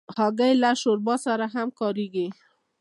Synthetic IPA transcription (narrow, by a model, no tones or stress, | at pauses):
hɑɡajlaʃoɾbɑsaɾaɦamkɑɾiɡi